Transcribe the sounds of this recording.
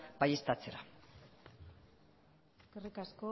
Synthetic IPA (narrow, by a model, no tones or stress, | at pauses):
b̥ajest̪at͡seɾa̰ | ɡ̥rikasko